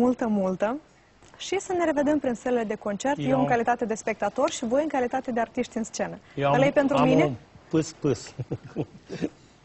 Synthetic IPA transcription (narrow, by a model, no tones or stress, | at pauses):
ult̪əmult̪ə | ʃisəne̞ɾe̞ve̞d̪e̞mpɾinseleled̪e̞ko̞nt͡ʃe̞rt̪jeɨ̃ŋkalit̪at̪e̞d̪e̞spe̞k̚t̪at̪o̞rʃivo̞jɨŋkalit̪at̪e̞d̪eart̪iʃt̪ʲɨnst͡ʃe̞nəjlejpent̪ɾuminempɨspɨs